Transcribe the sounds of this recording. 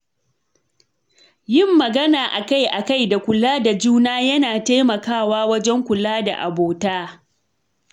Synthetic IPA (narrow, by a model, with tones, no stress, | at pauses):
jɪ˦˨mːɐ˨ɡɐ˦naː˨ʔa˨ka˦˨jʔa˨ka˦˨jda˨kʷʊ˨laː˦da˨d͡ʒuː˦naː˦jɐ˦naː˨ta˦jmɐ˨kaː˦˨waː˦wɐ˦d͡ʒɛ˦ŋkʷʊ˨laː˦da̰˨ʔa̰˨boː˨taː˦